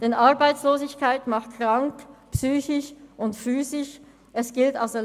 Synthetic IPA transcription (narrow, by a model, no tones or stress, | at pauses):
d̥ɛnʔaɐbaɪt͡sloːzɪçkaɪtmaχt̚kʁ̥aŋkpsyːçɪʃʔʊntfyːzɪʃ | ʔɛsɡ̥ɪltaʊsɛ